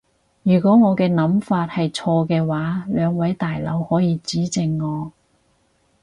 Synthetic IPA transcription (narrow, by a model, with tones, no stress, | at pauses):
jyː˨˩kʷɔː˨˥ŋɔː˨˧kɛː˧nɐ˨˥mfaː˧t̚hɐ˨jt͡ʃʰɔː˧kɛː˧waː˨˥lœː˨˧ŋwɐ˨˥jt̪aː˨jlɐ̰˨˧˥whɔː˨˥jiː˨˧t͡siː˨˥t͡sɪ˨˧ŋːɔː˨˧